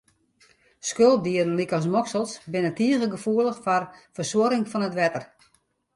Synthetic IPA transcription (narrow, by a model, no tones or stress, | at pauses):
skøl̚ˠdiərən̩likɔs̬mɔksəlˠsbɪnətiəɣəɡəfuəlˠəxfɔrfərswoɾɪŋfɔnətʋɛtər